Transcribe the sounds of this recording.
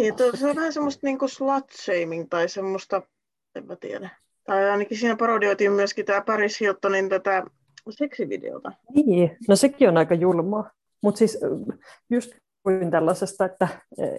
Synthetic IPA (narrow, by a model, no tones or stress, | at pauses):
niːet̪ːseolʋæhænsemːost̪niːŋkuslɑt̪ʃeimiŋt̪ɑisemːost̪ɑ | ḛmːæt̪ḭḛdæ | t̪ɑiɑinɑkisiːnæpɑrodioit̪iːmmyøskit̪æːpɑrishilt̪ːonint̪æt̪æ | seksiʋḭdḛo̰t̪ɑniːnosekionɑikɑjulmɑː | mut̪sis | just̪ | unt̪ælːɑsest̪ɑet̪ːæ̰